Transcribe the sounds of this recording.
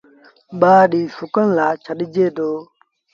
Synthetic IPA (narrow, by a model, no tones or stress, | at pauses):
ɓaːɗiːsʊkənlaːt͡ʃʰəɗɪd͡ʒeːd̪oː